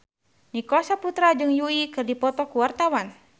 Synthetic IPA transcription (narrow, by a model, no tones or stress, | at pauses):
nikɔsaput̪ɾad͡ʒɨŋjuikɨrdipɔt̪ɔkuwart̪awan